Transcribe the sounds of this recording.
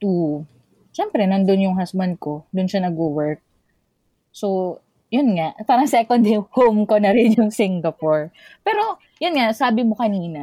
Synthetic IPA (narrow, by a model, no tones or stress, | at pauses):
t̪u | ʃɛmpɾɛnɐnd̪onjʊŋɦasbɐnd̪̚ko̞d̪ʊnʃanɐɡowɛɹk̚ | so | jʊnŋaʔpaːɾɐŋsɛːkond̪ɪhowmkonɐɾɪnjʊŋsɪŋɡɐpoɹpɛːɾo̞ | jʊnŋaʔsaːbɪmo̞kɐniːnɐ